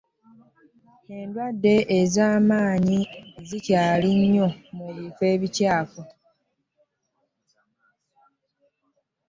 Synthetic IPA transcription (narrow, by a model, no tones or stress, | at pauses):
e̞ndwadːe̞ʔezaːmaːɲizicaːliɲːo̞muβife̞ːβicaːko